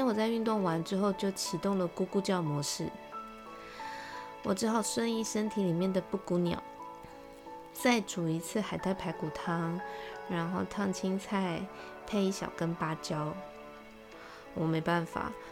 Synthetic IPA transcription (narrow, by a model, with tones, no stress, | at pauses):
ɛ˥nwɔ˨˩t͡sa˥˧ɪy˥˧nt̪ʊ˥˩ŋwa˧˥nʈ͡ʂɻ̩˥xo˥˧ʊt͡ɕjo˥˩ʊt͡ɕʰi˨˦t̪ʊ˥˩ŋlə˨˩ku˥ku˥˧t͡ɕjɑ˥˩ʊmwɔ˧˥ʂɻ̩˥˩ | wɔ̰˨˩ʈ͡ʂɻ̩˥xɑ˥˩ʊswə˥˧ni˥˧ʂə˥nt̪ʰi˨˥li˨˩mjɛ˥˩nd̪ə˩pu˥˩ku˧˥njɑ̰˨˩˦ʊ | t͡sa˥˩ɪʈ͡ʂu˨˩i˧˥t͡s̩ʰ˥˩xa˨˩ɪt̪ʰa˥ɪpʰa˧˥ɪku˨˩t̪ʰɑ˥ŋɻa˧˥nxo˥˧ʊt̪ʰɑ˥˧ŋt͡ɕʰi˥ŋt͡sʰa˥˧ɪ | t̪ʰa˥ɪi˥˩ɕjɑ̰˨˩ʊkə˦˥npa˥t͡ɕjɑ˥ʊ | wɔ˨˩me˧˥ɪpa˥˩nfa̰˨˩